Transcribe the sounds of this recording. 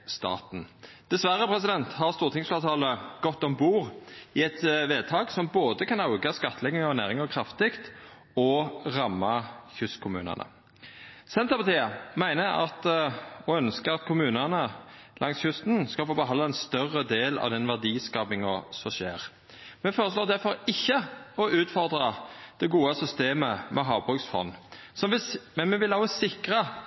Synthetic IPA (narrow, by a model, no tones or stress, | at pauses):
st̪ɑ̰ːt̪n̩d̪̥ɛsʋæʁəpʰɾɛsɪd̪ɛnt̪hɑʁst̪uːʁt̪ʰɪŋsflɑːt̪ʰɑːləɡ̥ɔt̪ːɔmbuːʁɪɛt̪ʋeːd̪̚t̪ʰɑːɡsɔmboːd̪əkʰɑnɑʊɡɑskɑt̪ʰːlɛɡɪŋɔnæːʁɪŋɔkʰʁɑft̪ɪkt̪ | ɔʁɑmːɑçʉst̪kʰʊmʉ̰ːnə̰nə̰ | sɛnt̪ɑpɑt̪ʰiːəmæɪnəɑ̰t̪ɔœnskəɑt̪kʰʊmʉːnənəlʔɑŋsçʉst̪nskɑlfoːbəɦɑnd̪ɑɛnst̪œrːəd̪eːlɑ̰ʋd̪ɛnʋæʁd̪iːskɑːpɪŋɑsɔʃeːʁ | mɛfoːɾəsloːd̪æfɔɾɪçːəɔʔʉːt̪fɔʁd̪ʁɑd̪̥ɛɡuːəsʏst̪eːməmʔɛɦɑːʋbʁʉksfɔ̰nː | sɔmʋɪmɛnmɛʋɪlɑːʋəsɪkʁə